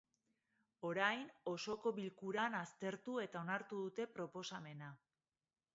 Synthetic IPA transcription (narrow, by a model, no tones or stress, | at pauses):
o̞ɾajno̞so̞ko̞βilkuɾanast̪e̞ɾt̪ue̞t̪ao̞naɾt̪uðut̪e̞pɾo̞po̞same̞na